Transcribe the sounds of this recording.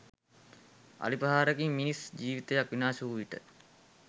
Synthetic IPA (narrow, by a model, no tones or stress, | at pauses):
a̰lipəɦaːɾəɡimmːinisd͡ʑiːʋit̪əjakʋinaːsuuʋiʈə